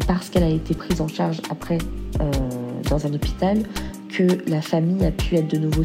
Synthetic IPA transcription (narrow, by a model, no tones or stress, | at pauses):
paʁsə̥kɛlaet̪epχizɑ̃ʃaʁʒapχɛød̪ɑ̃zɛ̃nɔpi̥t̪al | kʰəlafamijapʰyɛt̪χd̪ənuvo